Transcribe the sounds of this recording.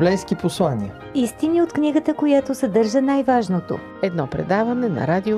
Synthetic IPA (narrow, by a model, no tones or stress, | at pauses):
lɛjskʲiposlˠanʲiə | ist̪inʲiot̪knʲiɡət̪əkojat̪osɛd̪ɤɾʒənajvaʒnot̪o̰ | ɛd̪nɔpɾɛ̰d̪avɐnɛnɐ̰ɾad̪ʲio